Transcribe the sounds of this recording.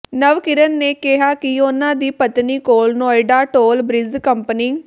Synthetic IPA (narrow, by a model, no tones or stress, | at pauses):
nəʋkɪɾənːeːkɪɦaːkɪʊnãːd̪iːpət̪niːkoːlnoːɪɖaːʈoːlbɾɪzkəmpəniː